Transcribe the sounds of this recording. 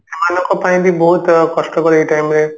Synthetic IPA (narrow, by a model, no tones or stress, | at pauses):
emanɔ̃ŋkɔpaĩd̪ibɔɦut̪kɔsʈɔkɔɾeiʈajmɾe